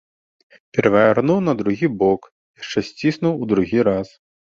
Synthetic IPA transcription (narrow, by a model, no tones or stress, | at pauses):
pʲɛɾɐvʲarnuwnɐd̪ɾuɣʲibɔk | jaʂt͡ʂɛsʲt͡sʲisnuwud̪ɾuɣʲiɾas